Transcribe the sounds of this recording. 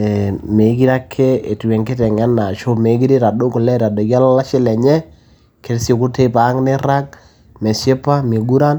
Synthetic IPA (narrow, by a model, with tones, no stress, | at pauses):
me˨˦ɡi˦ɾa˦kʰːe˦e˨tu˨wɛ˨ŋke˦tɛ˨ŋɛ˦na˨t͡ʃo˦me˨˦ɡi˦ɾe˦ɾa˨do˦kʊ˨lɛ˦ɾa˨do˨ɡa˦la˦la˦ʃɪ˦lɛ˨ɲɛ˦ | ke˨ɾso˨kʊ˦te˦pa˨˦ŋnɪ˦ɾa˦k̚ | mɛ˨se˦pa˦me˨ɡu˦ɾa˦n